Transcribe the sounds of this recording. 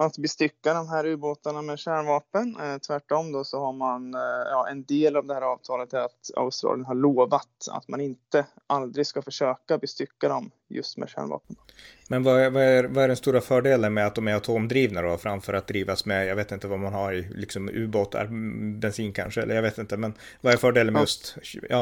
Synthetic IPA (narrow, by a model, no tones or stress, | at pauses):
at̪bɪst̪ʏkːad̪ɔmɦæːɾʉ̟ːboːt̪aɳamɛɕæːɳvɑːpənt̪ʰvæʈːɔmd̪ɔsɔhaɾmanjɑːʔɛnd̪eːlavd̪ɛhæːɾɑːvt̪ʰɑːlət̪æɾat̪a̰ʊst̪ɾɑ̰ːljənɦaɭoːvat̪a̰t̪manɪnt̪ə | ʔald̪ɾɪɡskafœʂøːkabɪst̪ʏkːad̪ɔm | jɵ̰st̪mɛ̰ʂæ̰ːɳvɑ̰ːpən | mɛnvaævaævaæɖɛnst̪uːɾafœːɖeːlənmɛat̪̚d̪ɔmæɾat̪ʰoːmd̪ɾiːvnad̪afɾamfœɾat̪̚d̪ɾiːvasmɛjɑːɡveːt̪ɪnt̪əvamanhaɾɪlɪksɔmʉ̟̰ːboːt̪ʰːa̰ɾbɛnsiːnkʰa̰nʂəɛlːə̰javeːt̪ɪnt̪əmɛnvaæɾfœːɖeːlənmɛjɵst̪jɑ̰ː